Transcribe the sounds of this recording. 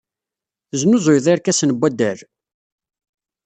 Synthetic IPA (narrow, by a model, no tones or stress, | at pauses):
znʊzˤojðˤiɾkæsənbʷːæd̪æɾ